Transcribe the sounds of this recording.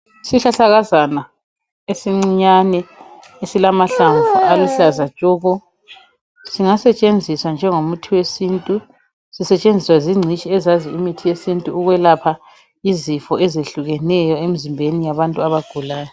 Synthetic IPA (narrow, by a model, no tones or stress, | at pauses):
isiɬaɬaɣazana | esiŋ͡ǀiɲanɛ | esilamaɬaɱvuʔaluɬazḁt͡ʃʼɔːɣɔ | siŋasɛt͡ʃʼend͡zʱiswand͡ʒʱɛŋomutʰiwesiːntʼu | sisɛt͡ʃʼend͡zʱiswaziŋ͡ǀʱit͡ʃʼiɛzaziimitʰijesintʼuːɣwɛlapʰa | izifɔɛzeɬuɣɛnɛjɔem̩zimbʱenijaβantʼuaβaɡ̥ʱulaːjɔ